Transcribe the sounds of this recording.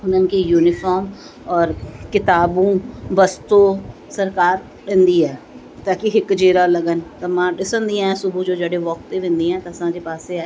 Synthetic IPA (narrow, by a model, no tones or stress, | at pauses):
ʊnənkiːjuːnɪfʰɔːɾm | ɔːɾkɪt̪aːbũːʋəst̪oː | səɾkaːɾ | ɗẽnd̪iːɛː | t̪aːkɪɦɪkd͡ʒeːɾaːləɡənt̪ãːmãːɖɪsənd̪ĩãɛ̃sʊbũːd͡ʒoːd͡ʒəːɽeːʋɔk̚t̪eːʋɪ̃nd̪iːɛ̃ːt̪asãːd͡ʒeːpaːseːɛː